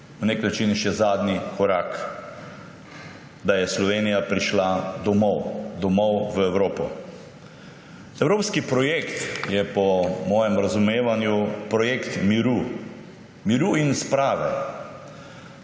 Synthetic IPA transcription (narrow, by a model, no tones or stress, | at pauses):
wneknat͡ʃinʃɛzaːd̪nikɔɾaːk | d̪ajɛslɔʋeːnijapɾiʃlad̪ɔmɔwd̪ɔmɔwʋəɛwɾoːpɔ̰ | ɛwɾoːpskipɾɔjekt̪jɛpɔmɔːjɛmɾazumeːʋanjupɾɔjekt̪miɾu | miɾuinspɾaːʋɛ̰